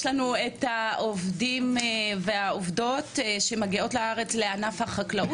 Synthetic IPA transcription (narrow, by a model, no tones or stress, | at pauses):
ʃlanuethaʔovdimveaovdo̞tʃe̞maɡio̞tlaaʁe̞t͡sleanafhaχaklao